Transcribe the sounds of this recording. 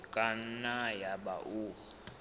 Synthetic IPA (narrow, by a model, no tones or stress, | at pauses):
kʼannajaba̰ʔu